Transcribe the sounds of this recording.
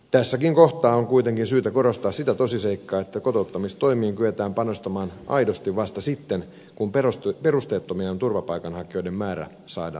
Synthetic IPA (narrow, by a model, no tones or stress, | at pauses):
t̪æsːækiŋko̞ht̪ɑːoŋkuit̪eŋkinsyːt̪æko̞ɾo̞st̪ɑːssit̪æt̪o̞siseikːɑːet̪ːæko̞t̪out̪ːɑmist̪o̞imiːŋkyet̪æːmpɑnost̪ɑmɑːnɑ̰jdost̪iʋʋɑst̪ɑsit̪ːen | kumpeost̪perust̪eːt̪ːomiɑont̪urʋɑpɑjkɑnhɑkio̞jdemmæːɾæ̰ | sɑːdɑ̰ː